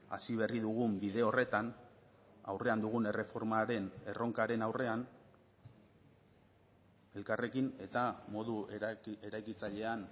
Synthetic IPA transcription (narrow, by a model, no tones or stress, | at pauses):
a̰siβ̞e̞riðuɣ̞umbiðe̞o̞re̞t̪an | a̰wre̞and̪uɣ̞une̞re̞fo̞ɾmaɾe̞ne̞ro̞ŋkaɾe̞nawre̞an | e̞lkare̞kine̞t̪amo̞ðue̞ɾajkit͡saʎe̞an